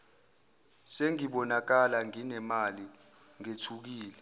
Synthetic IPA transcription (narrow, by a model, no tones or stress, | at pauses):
seŋiɓɔnak̬alaŋinɛmali | ŋetʰuk̬iːlɛ